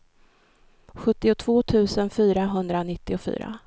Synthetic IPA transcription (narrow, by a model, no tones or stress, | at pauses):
ɧɵt̪ːɪʊt̪ʰv̥oːt̪ʰʉ̟ːsənfyːɾaɦɵnd̪ɾanɪt̪ːɪʊfy̰ːɾa̰